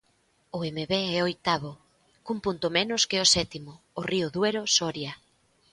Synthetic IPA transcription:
ʊemeβeɛojt̪aβo | kumpunt̪ʊmenʊskɪosɛt̪imʊːriʊðweɾosɔɾjɐ

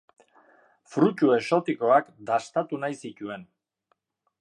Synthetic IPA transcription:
fɾucue̞so̞t̪iko̞akd̪ast̪at̪unajsicue̞n

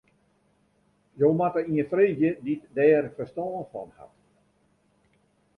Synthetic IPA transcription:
joːmatəiənfreːdjəditdɛːrfərstɔːnfɔ̰nha̰t

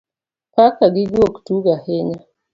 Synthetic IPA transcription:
pakaɡiɡioku̥tuɡahɛɲa

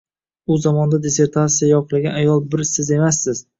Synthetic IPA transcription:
ʊzamɒnd̪ad̪ese̞ɾt̪ʰat̪sijajɒqʰɨlˠaɡʲanajɒlˠbɪɾsɪze̞masːɪz̥

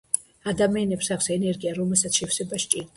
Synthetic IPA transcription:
ad̪amianɛpsakʷʰsɛnɛɾɡiaɾɔmɛlˠsat̪ʰʃɛfsɛbaʃt͡ʃʼiɾd̪

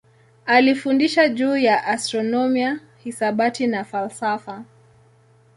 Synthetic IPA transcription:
alifundiʃaʄuːjaʔastɾɔnɔmia | hisaɓatinafalsafa

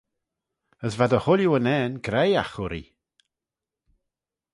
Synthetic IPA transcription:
əsvadəhʊljuənɛːnɡɾɛjaxʊɾḭ

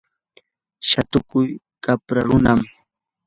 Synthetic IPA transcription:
ʃat̪ʊkʊj | kapɾaɾʊnam

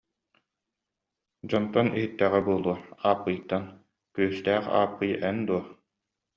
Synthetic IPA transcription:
d͡ʑɔnt̪ɔniɦit̪ːæːʁɛbuɔːlˠuɐaːpːɯjt̪ːan | kyːst̪æːχa̰ːpːɯjɛnd̪uɔ

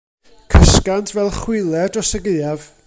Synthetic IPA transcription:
kʰəskantʰvɛlˠχwɪlˠɛdɔsəɡejav

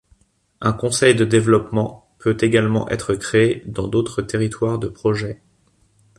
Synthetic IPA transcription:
ɛ̃kɔ̃sɛjd̪əd̪evlɔpmɑ̃ | pøt̪eɡalmɑ̰̃ʔɛ̰t̪χəkχeːd̪ɑ̃d̪ot̪χət̪eʁit̪waʁd̪əpχɔʒɛ

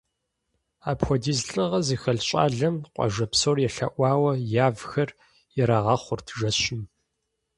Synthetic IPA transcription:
aːpxʷɔdiːzɬʼɨʁɐzixɐɮɕʼa̰ːɮɐmqʷʼɔ̰ʒɐpsoːrjɛɬɐ̰ʔʷɑːwɐjaːvxɐr | jɛɾaːʁɐχʷʊrtʰʒɐɕɪm

